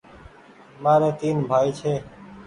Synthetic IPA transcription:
maːɾẽːt̪iːnbʱaːiːt͡ʃʰeː

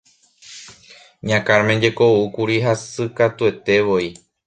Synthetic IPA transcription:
ɲãkaɾmẽɲd͡ʒe̞ko̞ukuɾiɦasɨkat̪ue̞t̪e̞ʋo̞i

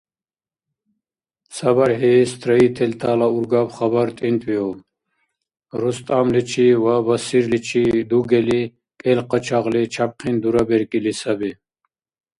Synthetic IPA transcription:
sɐbɐɾɦest̪ʰɾɐit̪ʰɛlt̪ʰaːlauɾɡabχɐbɐɾt̪ʼint̪ʰʼwio | ɾust̪ʼamlit͡ʃʰiwabɐsiɾlit͡ʃʰid̪uɡɛli | kʼɛlqət͡ʃʰaʁlit͡ʃʰap̚qʰind̪uɾabeɾkʼilisɐbi

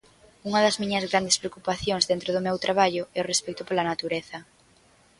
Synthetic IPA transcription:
uŋɐðɐzmiɲɐzɣɾand̪espɾeokupaθjoŋzðent̪ɾoðʊmewt̪ɾaβ̞aʎʊɛʊrespɛkt̪ʊpolɐnat̪uɾeθɐ

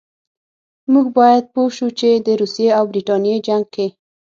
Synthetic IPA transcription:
muɡ̚bɑjad̪̚poʃut͡ʃed̪əɾusjeawbɾiʈɑnijed͡ʒaŋɡ̚ke

